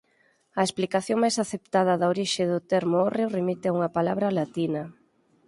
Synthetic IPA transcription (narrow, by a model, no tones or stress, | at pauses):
ɐesplikaθjoŋmajsaθept̪að̞ɐðɐoɾiʃɪðʊt̪ɛɾmʊorewremit̪ɪauŋɐpalaβɾɐlat̪inɐ